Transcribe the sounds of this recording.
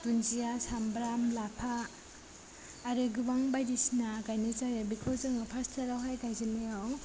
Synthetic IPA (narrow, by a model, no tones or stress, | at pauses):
t̪unzijasambɾamlapʰa | ɾɯɡɯbaŋbajɾisnakajnit͡ʃajabikʰɔzɯŋapʰastʰaɾawɦajkajziniaw